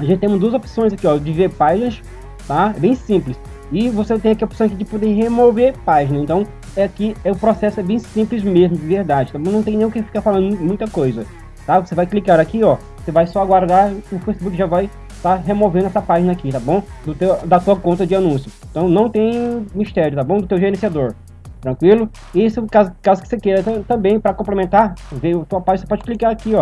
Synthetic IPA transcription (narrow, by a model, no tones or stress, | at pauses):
aʒẽtt͡ʃɪt̪ẽũmɐd̪uɐzopsõj̃zakiɔd͡ʒɪveɾpaʒinɐs | t̪aɛbẽj̃sĩplɪs | ɪvoset̪ẽj̃akiopsɐ̃ak̬id͡ʒɪpod̪eɦemoveɾpaʒinɐẽt̪ɐ̃w̃ | ɛakiɛʊpɾɔsɛsʊɛbẽj̃sĩplɪzmezmʊd͡ʒɪveɾd̪ad͡ʒɪt̪abõw̃nɐ̃w̃t̪ẽnẽj̃ʊkɪfi̥kaɾfalɐ̃nd̪mũj̃t̪ɐkojzɐ | t̪avosevajklikaɾakiɔ | sevajsɔaɡwaɾd̪aɾʊfejsibukɪʒavaj | t̪aɦemovẽd̪ʊɛsɐpaʒinɐakit̪abõw̃d̪ʊt̪ewɐd̪ɐt̪uɐkõnt̪ɐd͡ʒɪanũsjʊ̃ | t̪ɐ̃w̃nɐ̃w̃t̪ẽj̃miʃt̪ɛɾʲjʊt̪abõw̃d̪ʊt̪ewʒeɾẽsiad̪oɾ | t̪ɾɐ̃kwilʊ | ɪisʊkazʊkazʊkɪ̥sekeɾɐt̪ɐt̪ɐ̃mbẽj̃pɾɐkõplemẽnt̪aɾvejʊt̪uɐpaʒnsepɔd͡ʒɪklikaɾakiɔ